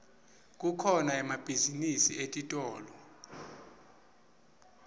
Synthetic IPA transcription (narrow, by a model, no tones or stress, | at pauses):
k̬ʼukʰɔnaɛmab̥ʱizinisietʼitʼɔːlɔ